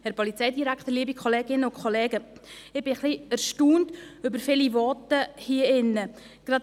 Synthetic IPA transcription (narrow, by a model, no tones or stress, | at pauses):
hɛɾpɔlit͡sɛjdiɾæktəɾliəbikʰχoleːɡɪnəʊnkʰχoleːɡə | ɪb̥ɪχliæɾʃtuːntʏbəɾfɪlivɔtəhiəɪnːə | ɡ̥ɾɑt